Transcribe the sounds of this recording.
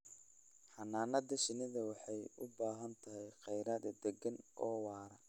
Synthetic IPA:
ħɑnaːnɐd̪ɐʃɪnɪðɐwɑħɑjʊ̰baːɦɐnt̪ʰɐɦɛjqɛjɾaːd̪ɛd̪ɛɡɐnʔɔːwɑːɾɐ

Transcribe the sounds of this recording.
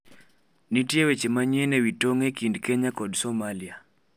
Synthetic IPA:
nitjewet͡ʃemaɲɛnewitoŋekindkeɲakɔdsɔmalia

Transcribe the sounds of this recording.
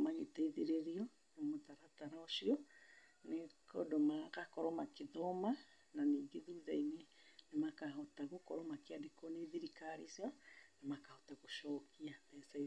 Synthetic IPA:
maɣetaiðeɾeɾiɔ | nomotaɾataɾaɔʃiɔ | nekɔ̰domaɣakɔɾɔmakeðɔma | naniːɡeðuðainenemakaɦotaɣokɔɾɔmakeadekɔneðiɾikaɾisianemakahotaɣoʃɔːkiaðɛsa

